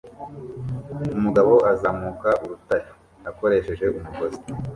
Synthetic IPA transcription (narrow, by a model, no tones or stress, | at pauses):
umuɡaβo̞ʔazaːmukaʔuɾutaɾi | ako̞ɾe̞ːʃe̞ʒe̞ʔumuɡozi̥